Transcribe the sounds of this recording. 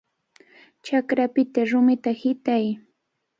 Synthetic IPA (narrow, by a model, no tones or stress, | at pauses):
t͡ʃakɾapɪt̪aɾʊmɪt̪ahɪt̪aj